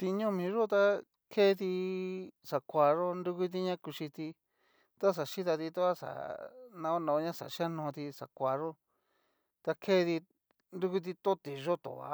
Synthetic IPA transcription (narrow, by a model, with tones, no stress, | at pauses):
t̪i˧ɲõ˦mĩ˧ʐo˦t̪a˦ | kʰe˦˧t̪̬i˧ | sa˨kʷa˧ʐo˦nɾu˦ku˦t̪̬i˧ɲã˦ku˧ʃi˧t̪i˧ | t̪a˦s̬a˨ʃi˦t̪̬a˧t̪i˧t̪o˦a˦sa̰˨nã˧o˦nã˧ɲã˦sa̰˨ʃi˦a˦nõ˧t̪i˧sa̰˨kʷa˧ʐo˦ | t̪a˧kʰe˦˧ði˧ | nɾu˦ku˦t̪̬i˧t̪o˦t̪i˨ʒo˦t̪o̰˨βa̰˧˦